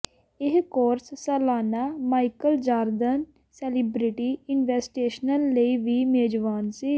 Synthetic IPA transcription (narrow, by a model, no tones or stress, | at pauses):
ɪɦkoːɾssəlaːnaːmaːikəld͡ʒaːɾd̪ən | sɛːlibɾiʈiːɪnʋɛːsʈeːʃnəlːəiːʋiːmeːd͡ʒʋaːnsiː